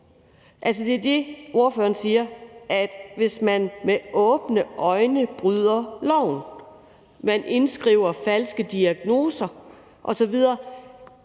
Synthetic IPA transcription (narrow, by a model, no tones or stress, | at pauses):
ʔæls̬ɒd̥e̝ɐd̥e̝ʔo̝ɐføːɐn̩siːɐʔæd̥ʋe̝smænmeʔɔ̽ːb̥nəʔɒ̽ɪnəb̥ʁyðˠɐlɒʊ̰n | mænʔe̝nsɡ̥ʁiːʊ̰ɐfælsɡ̥əd̥iæɡ̥no̝ːsɐ | ʔɒ̽sɒ̽ʋið̞ˠɐː